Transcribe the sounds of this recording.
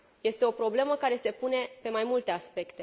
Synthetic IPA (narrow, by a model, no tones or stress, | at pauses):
je̞st̪e̞o̞pɾo̞ble̞məkaɾe̞se̞pune̞pe̞majmult̪e̞aspe̞kt̪e̞